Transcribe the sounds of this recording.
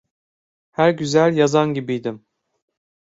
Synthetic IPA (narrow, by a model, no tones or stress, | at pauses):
hæɾɟyzælʲjazanɟibijd̪im